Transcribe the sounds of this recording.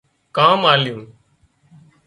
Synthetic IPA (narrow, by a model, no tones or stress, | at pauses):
kaːmaːljũː